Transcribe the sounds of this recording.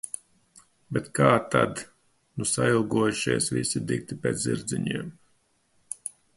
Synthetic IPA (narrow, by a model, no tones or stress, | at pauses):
bɛt̪kaːt̪ad̪ | nusailˠɡuɔjuʃiɛsvḭsid̪ik̚t̪ipʲeːt̪sziɾd̪ziɲiɛm